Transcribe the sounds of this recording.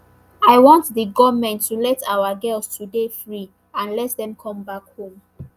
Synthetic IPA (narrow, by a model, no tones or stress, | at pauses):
aɪjwɔ̃ntðəɡɔvmɛ̃ntʰːulɛtʰawəɡɛlstʰudefɹi | ãnlɛtðɛ̃mkʰɔ̃mbakhõm